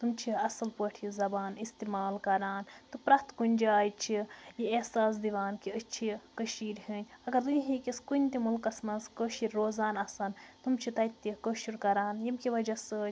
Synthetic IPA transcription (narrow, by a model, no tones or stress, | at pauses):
t̪umt͡ʃʰiɐsɐlpəːʈʰizɐbaːnist̪imaːlkɐɾaːnt̪ɨpɾɐt̪kunʲd͡ʒaːjt͡ʃʰijiesaːs̬d̪iʋaːnkiət͡ʃʰikəʃiːɾɦiːnʲɐɡɐɾd̪ɨnɦikiskunʲt̪imulkɐsmɐzkəːʃiɾːoːzaːnɐsɐnt̪umt͡ʃʰit̪ɐt̪ːikəːʃiɾkɐɾaːnjimkiʋɐd͡ʒɐsɨ